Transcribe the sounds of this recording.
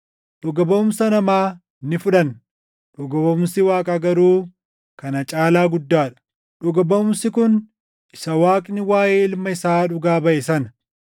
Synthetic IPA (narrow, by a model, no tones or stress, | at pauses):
ᶑʊɡɐbɐʊmsɐnɐmaː | nːɪfʊᶑɐn | ᶑʊɡɐbɐʊmsɪwaːkʼɐɡɐɾuː | kɐnɐt͡ʃʼaːlaːɡʊd̪ːaːᶑɐ̥ | ᶑʊɡɐbɐʊmsɪkʊn | ɪsɐwaːkʼnɪwaːjeːɪlmɐɪsaːᶑʊɡaːbɐʔɛsɐnɐ